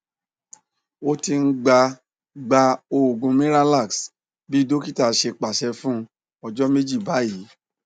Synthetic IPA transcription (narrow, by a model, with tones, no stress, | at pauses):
o˦ti˧n̩˦ɡ͡ba˧ | ɡ͡ba˧o˧˨ɡũ˧mẽ˦ɾa˦la˦˨ks | bi˦do˦ki˦ta˨ʃe˧k͡pa˨ʃɛ˧fũ˦˧ | ɔ˧d͡ʒɔ˦me˦d͡ʒi˦˨ba˨˦ji˨˦